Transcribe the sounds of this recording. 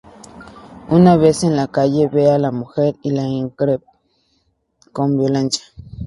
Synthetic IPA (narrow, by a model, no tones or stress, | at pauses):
unaβesenlakajeβealamuxeɾilaiŋkɾep̚ | kombjolant͡ʃḁ